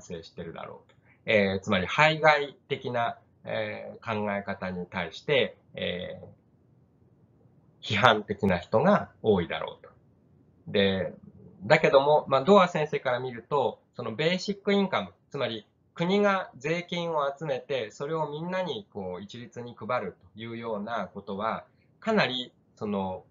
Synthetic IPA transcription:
ãse̞ːɕi̥t̪e̞ɾɯ̟d̪a̰ɾo̞̰ːt̪o̥ | eːt͡sɨmaɾʲihaiɡait̪e̞kʲina | ḛkãŋɡae̞kat̪aɲ̟it̪aiɕi̥t̪e̞ | ḛː | çiɦãnt̪e̞kʲinaçi̥t̪o̞ɡao̞ːid̪a̰ɾo̰ːt̪o̞̥ | d̪e̞ | d̪ake̞d̪o̞mo̞maːd̪o̞ːasẽ̞ɰ̃se̞ːkaɾamʲiɾɯ̟t̪o̞so̞no̞be̞ːɕikːɯ̟ĩŋkamɯ̟t͡sɨmaɾʲi | kɯ̟ɲ̟iɡad͡ze̞ːkʲĩɰ̃o̞at͡sɨme̞t̪e̞so̞ɾe̞o̞mʲĩnːaɲ̟iko̞ːit͡ɕiɾʲit͡sɨɲ̟ikɯ̟baɾɯ̟t̪o̞̥jɯ̟ːjo̞ːnako̞t̪o̞β̞a | kanaɾʲi | so̞no̞

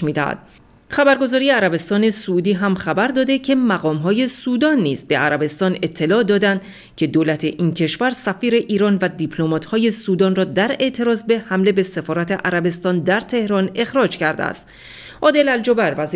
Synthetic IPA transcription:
ʃmiːd̪æ̰hæ̰d̪̥ | χæbæɾɡo̞zɒːɾijeæɾæbe̞st̪ɒːne̞suːd̪iːɦæmχæbæɾd̪ɒːd̪e̞cʰe̞mæɣɒːmɦɒːje̞suːd̪ɒːnːiːzbe̞æɾæbe̞st̪ɒːne̞t̪ʰːe̞lɒːd̪ɒːd̪ænd̪ | cʰe̞d̪olæt̪ʰe̞ʔiːncʰe̞ʃvæɾsæfiːɾe̞ʔiːɾɒːnvæd̪ipʰlomɒːt̪hɒːje̞suːd̪ɒːnrɒːd̪æɾe̞ʔt̪ʰe̞ɾɒːzbehæmle̞be̞se̞fɒːɾæt̪ʰe̞ʔæɾæbe̞st̪ɒːnd̪æɾt̪ʰe̞hɾɒːne̞xɾɒːd͡ʒcʰæɾd̪ḛæ̰st̪ | ʔɒːd̪e̞læld͡ʒobæɾvæz

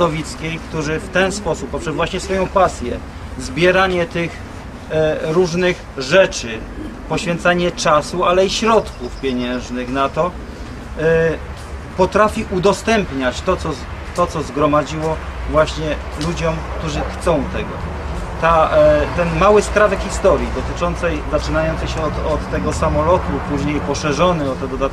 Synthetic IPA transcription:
ɔvʲit̪skʲejkt̪uʐɘft̪ɛnspɔsupːɔpʂɛzvwaɕɲɛsfɔjɔ̃w̃pasʲjɛ | zbʲjɛɾaɲɛt̪ɪx | ɾuʐnɘx | ʐɛt͡ʂɘ | pɔɕfʲjɛnt̪saɲɛt͡ʂasualɛiɕɾɔt̪kufpʲjeɲɛ̃w̃ʐnɘxnat̪ɔ | pɔt̪ɾafʲiʔud̪ɔst̪ɛmpɲat͡ɕt̪ɔt̪sɔzt̪ɔt̪sɔzɡɾɔmad͡ʑiwɔvwaɕɲɛlud͡ʑɔmkt̪uʐɘxt̪sɔ̃w̃t̪ɛɡɔ̰ | t̪at̪ɛnmawɘskɾavɛkxʲist̪ɔɾʲjid̪ɔt̪ɘt͡ʂɔnt̪sɛjzat͡ʂɘnajɔnt̪sɛjɕɛɔt̪ɔt̪ːɛɡɔsamɔlɔt̪upuʑɲejpɔʂɛʐɔnɛɔt̪ːɛd̪ɔd̪at̪̚

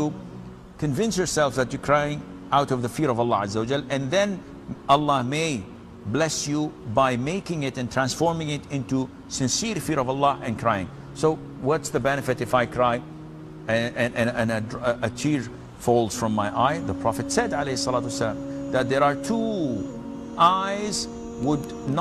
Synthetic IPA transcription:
u | kʰɨ̃ɱvɪ̃nsjɔɹsɛlˠfðæt͡ʃɨkʰɹ̥ajɪ̃ŋ | ʔaʊɾʌvðəfiɹʌvəlːɑazːəwəd͡ʒɛlɨ̃nðɛ̃n | əlːɑmeɪ | blɛsjubaɪmeɪkɪ̃ŋɪɾɨ̃ntʰɹ̥æ̃nsfɔɹmɪ̃ŋɪtɪ̃ntu | sɨ̃nsiɹfiɹʌvəlˠːɑʔɨ̃nkʰɹ̥aɪɪ̰̃ŋ | soʊ | wʌtsðɨbɛnɨfɨɾɨfaɪkʰɹ̥aɪ | ɨɨ̃ɨ̃nɨ̃nɨdʔət͡ʃʰiɹ | folˠz̥fɹʌ̃mːaɪʔaɪðəpʰɹ̥ɑfɨtsɛdʕaleɪhɨsːɑlatwsːəlãmðæt̪̚ðəɹətʰu | ʔaɪz | wʊd | n

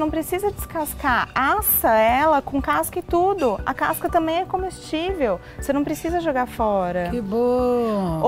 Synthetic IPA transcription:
nɐ̃w̃pɾesizɐd͡ʒɪskaskaɾasɐɛlɐkõkaskɐɪt̪ud̪ʊɐ̰kaskɐt̪ɐ̃mbẽj̃ɛkõmest͡ʃivew | senɐ̃w̃pɾesizɐʒoɡaɾfɔɾɐkibo | o

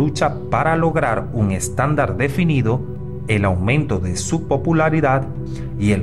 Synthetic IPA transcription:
ut͡ʃapaɾalo̞ɣɾaɾuŋe̞st̪and̪aɾd̪e̞finiðo̞ | e̞lawmẽ̞nt̪o̞ðe̞supo̞pulaɾiðað | ie̞l

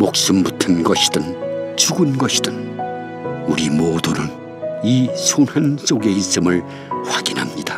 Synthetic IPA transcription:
mok̚s͈umbutʰɯnɡʌɕʰi̥dɯnt͡ɕuɡɯnɡʌɕʰi̥d̥ɯn | uɾimodunɯn | isʰonɦans͈oɡe̞is͈ɯmɯɭ | ɸwaɡinɦamɲida

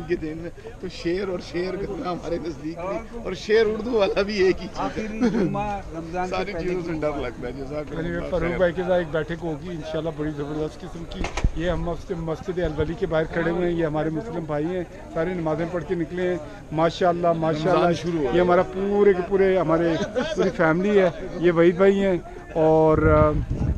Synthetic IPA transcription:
ked̪ɪnmẽ | t̪oʃeːɾɔːɾʃeːɾɡɐtnaɦɐmaːɾenɐsd̪iːkbĩɔ̰ːɾʃeːɾʊɽd̪uʋaːlabʱieːkit͡ʃiːz | ɾɐmzaːnsaɾiiːz̃sẽɖɐɾlɐɡ̚t̪ad͡ʒɐzakɐnĩʋefəɾoːkbaːikezaːeːk̚bɛːʈʰekɦoːɡiɪnʃaːlːabɐɽizɐbəɾd̪əst̪kɪsəmkijeɦɐmɐsmɐsd͡ʒɪd̪eɐlbəlikebaːɦɪɾkʰɐɽeɦũẽɛ̃jeɦɐmaːɾemʊslɪmbʱaːiɦɛ̃ː | saːɾenɐmaːzẽpɐɽkenɪkleɦɛ̃ | maːʃaːəlːamaːʃaːlːaʃʊɾujeɦɐmaːɾapuːɾeepuːɾeɦɐmaːɾepuːɾifʰɛːmɪliɦɛːjeʋɐibʱaːiɦɛ̃ː | ɔːɾ

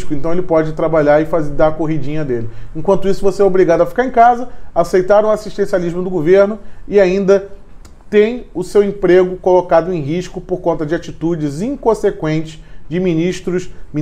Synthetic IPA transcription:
ʃkʊẽnt̪ɐ̃w̃elɪpɔd͡ʒɪt̪ɾabaʎaɾɪfazed̪aɾkoɦid͡ʒĩɲɐd̪elɪẽkwɐ̃nt̪ʊisʊvoseɛobɾiɡad̪ʊɐfi̥kaɾẽkazɐasejt̪aɾũasiʃt̪ẽsialiʒmʊd̪ʊɡoveɾnʊɪaĩnd̪ɐ | t̪ẽj̃ʊsewẽpɾeɡʊkolokad̪ʊẽj̃ɦiʃkʊpoɾkõnt̪ɐd͡ʒɪat͡ʃit̪ud͡ʒɪzĩŋkõsekwẽnt͡ʃɪsd͡ʒɪmĩniʃt̪ɾʊʃmi

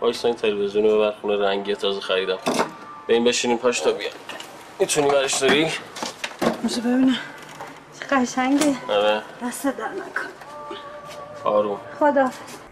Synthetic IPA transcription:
bɒːksɒint̪ʰelevezijunobeβæɾxuneɾæŋɟiet̪ʰɒːzɛxæɾid̪æm | b̥eimbeʃiːnimpʰɒːʃt̪ʰɒbijɒ̰j | it̪ʰunibæɾeʃzoɾi | miʃebebini | t͡ʃʰe̥ɢ̥æʃæŋɡeaɾed̪æst̪ed̪æɾnæ̰kʰo̥n | ɒːɾumχod̪ɒːfez̥

